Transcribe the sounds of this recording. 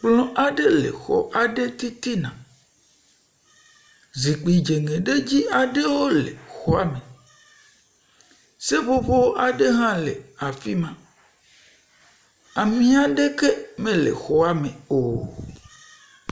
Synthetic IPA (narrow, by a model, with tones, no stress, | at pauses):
k͡plɔ̃˦ʔa˨ɖe˦lḛ˨xɔ̰˨ʔa˨ɖe˦t̪i˦t̪i˦nã˨ | zi˨k͡pi˨d͡ʒe˨ŋẽ˨ɖe˦d͡ʑi˦a˨ɖe˦wo˦lḛ˨xɔ˦a˨mẽ˨ | se˦βo˦βo˦wʔa˨ɖe˦ɦã˦lḛ˨a˨fi˦mã˦ | a˨mĩ˦a˨ɖe˦ke˦mẽ˦lḛ˨xɔ˦a˨mẽ˨o˨